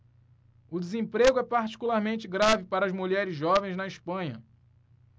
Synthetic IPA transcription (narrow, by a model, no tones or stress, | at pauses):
ʊd͡ʒɪzẽpɾeɡʊɛpaɾt͡ʃi̥kulaɾmẽnt͡ʃɪɡɾavɪpaɾɐːzmuʎɛɾɪzʒɔvẽj̃znɐɪʃpɐ̃ɲɐ